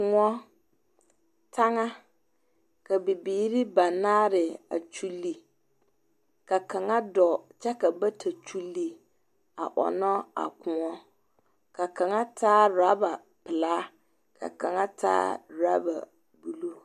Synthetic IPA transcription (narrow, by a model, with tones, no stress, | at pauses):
kʊ˨ŋɔ˦ | tʰa˦ŋa˦ | ka˨bi˨biː˨˦ɾi˦ba˨na˦ɾɪ˨a̰˨t͡ʃu˦lːi˨ | ka˨ka˨ŋa˦dɔ˨t͡ʃa˦ka˨ba˦tʰa˨t͡ʃu˦lːi˨ | a̰˨ʔɔ̰˨nɔ˦a̰˨kʊ̃˨ŋɔ˦ | ka˨ka˨ŋa˦tʰaː˦ɾa˦ba˨ | pɪ˨laː˦ | kʰa̰˨ka˨ŋa˦tʰa̰ː˦ɾa̰˦ba̰˨ | bu˦lu˦